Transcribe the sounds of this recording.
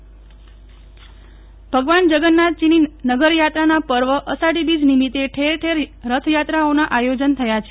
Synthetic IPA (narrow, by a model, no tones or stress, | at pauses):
bʱəɡʋand͡ʒəɡənːat̪̚t͡ʃininəɡəɾjat̪ɾanapəɾʋəʔəsaɽibid͡ʒnimit̪eʈʰeɾʈʰeɾɾət̪ʰjat̪ɾaonaʔajod͡ʒənt̪ʰəjat͡ʃʰe